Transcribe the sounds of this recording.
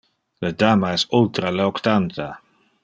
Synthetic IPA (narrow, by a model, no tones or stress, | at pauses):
ləd̪aːmaɛsult̪ɾaleokt̪ant̪a